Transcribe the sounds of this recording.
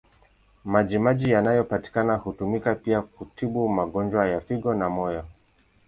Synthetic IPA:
maʄimaʄijanajɔpati̥kanahutumikapiakutʰiɓumaɠɔnd͡ʒwajafiɠɔnamɔjɔ

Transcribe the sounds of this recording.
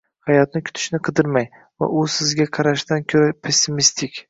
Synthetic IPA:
hajɒt̪nɪkʲʰʊ̥t̪ʰɪ̥ʃnɪqʰɨd̪ɪɾmaj | va̰ʔʊsɪzɡʲaqʰɑɾaʃt̪ankʲʰɵɾapʰe̞sːɪmist̪ʰɪkʲ

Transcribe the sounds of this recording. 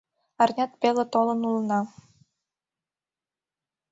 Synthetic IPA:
ɑrnʲɑt̪̚pelet̪olɤ̆nulnɑ

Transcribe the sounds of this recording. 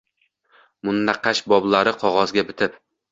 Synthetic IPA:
mʊnːaqɑʃbɒblˠaɾɪqʰɒʁɒzɡʲabɪt̪ʰɪp

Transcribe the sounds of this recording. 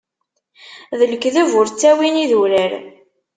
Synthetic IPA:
ðələkːðævʊɾt͡sːæwiniðuɾəɾ

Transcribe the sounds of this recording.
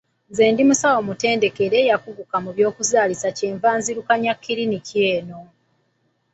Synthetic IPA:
ze̞ːndimusawo̞mute̞ːnde̞ke̞ɾe̞jakuɡukamuβjo̞ːkuzaːlisaceːɱvaːnziɾukaɲakːiɾinicjeːno̞

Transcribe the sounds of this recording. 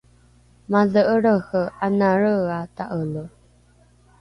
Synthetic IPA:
maðəʔəɾəhəanaɾəataʔələ

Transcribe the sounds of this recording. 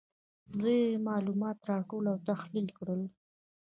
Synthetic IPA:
zemɑlumɑt̪ɾɑʈolawt̪axlilkɽəl

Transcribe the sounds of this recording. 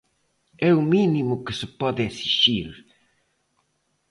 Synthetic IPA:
ɛuminimukɪsɪpɔðesiʃiɾ

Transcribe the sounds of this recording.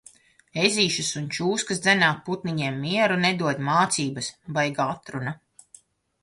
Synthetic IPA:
eziːʃɐsunt͡ʃuːskɐsd̪zɛnaːpːut̪niɲiɛmːiɛɾuned̪uɔd̪ʲmaːt̪siːbɐsbajɡaat̪ɾuna

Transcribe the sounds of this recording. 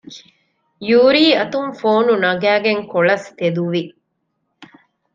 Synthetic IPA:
juːɾiːɐt̪uŋfoːnunɐɡæːɡeŋkoɭɐst̪ed̪uʋi

